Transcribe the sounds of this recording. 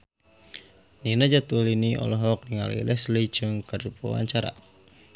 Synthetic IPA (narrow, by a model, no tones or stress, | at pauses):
ninad͡ʒat̪uliniʔɔ̰lɔɦɔk̚niŋa̰lḭlɛslid͡ʒɨŋkərupa̰wa̰ɲt͡ʃaɾa̰